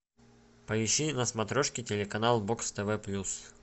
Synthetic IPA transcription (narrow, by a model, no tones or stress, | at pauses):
pəɪɕːinəsmɐt̪ɾoʂkʲɪtʲɪlʲɪkɐnalˠbokst̪ɛvɛplʲus